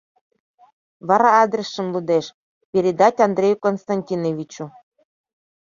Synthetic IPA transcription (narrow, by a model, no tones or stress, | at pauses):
vɑɾɑɑd̪ɾʲesːɤ̆nlˠud̪eʃ | pʲeɾʲed̪ɑtʲɑnd̪ɾʲejukonst̪ɑnʲtʲinovʲit͡ɕu